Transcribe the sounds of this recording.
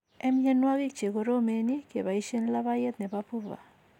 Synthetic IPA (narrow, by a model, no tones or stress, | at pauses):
emɲanwaɣik̚t͡ʃekoɾomenikeβaiʃenlaβajet̪̚nepapuβa̰